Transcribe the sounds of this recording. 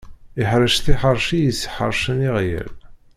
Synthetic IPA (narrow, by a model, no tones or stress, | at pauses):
iħɾəʃt̪iħəɾˤʃijisːħə̰ɾˤʃəniʁjə̰l